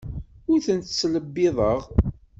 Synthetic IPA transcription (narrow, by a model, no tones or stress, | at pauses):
ʊɾθənt̪t͡sːləbːɪðˤəʁ